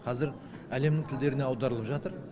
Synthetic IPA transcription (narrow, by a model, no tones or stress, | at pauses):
qʰɑzɪɾ | æle̞mnɪŋt̪ʰɪld̪e̞ɾɪne̞ɑwd̪ɑɾəlˠəpʒɑt̪əɾ